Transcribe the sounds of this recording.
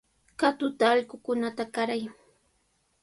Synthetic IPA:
kat̪ʊt̪aːʎkʊkʊnat̪akaɾaj

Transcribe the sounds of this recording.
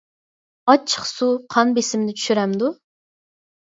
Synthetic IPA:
ɑt͡ʃʰə̥qsuqʰɑnbesɪmd̪ɪt͡ʃʰy̥ʃyɾɛmd̪u

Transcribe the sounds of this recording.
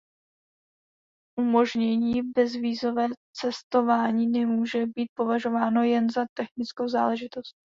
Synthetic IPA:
ʔumo̞ʒɲɛɲiːbɛzviːzo̞vɛːt͡sɛst̪o̞vaːɲiːnɛmuːʒɛbiːt̪̚po̞vaʒo̞vaːno̞jɛnzat̪ɛxnɪt͡sko̞wza̰ːlɛʒɪt̪o̞st̪̚

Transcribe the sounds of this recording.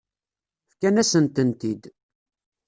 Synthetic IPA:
fkænæsənt̪ənt̪id̪

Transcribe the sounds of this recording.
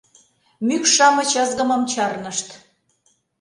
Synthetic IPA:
mykʃɑmət͡ɕəzɣəməmt͡ɕɑrnəʃt̪

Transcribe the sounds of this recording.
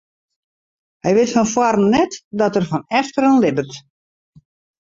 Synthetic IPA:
hɛjʋɪtfɔnfwarn̩nɛtdɔtərfɔnɛftəɾənlɪbərt

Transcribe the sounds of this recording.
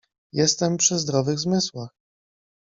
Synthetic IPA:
jɛst̪ɛmpʂɘzd̪ɾɔvɘɣzmɘswax

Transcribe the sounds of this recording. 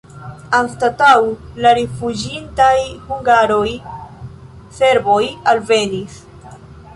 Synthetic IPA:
anstatawlaɾefud͡ʒintajhuŋɡaɾo̞j | se̞ɾbo̞jalve̞nis

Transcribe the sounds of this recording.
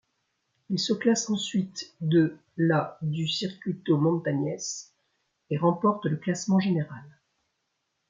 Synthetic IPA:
ilsəklasɑ̃sɥit̪d̪ə | lad̪ysiʁkʲɥit̪omɔ̃nt̪aɲɛs | eʁɑ̃pɔʁt̪ləklasmɑ̃ʒeneʁal

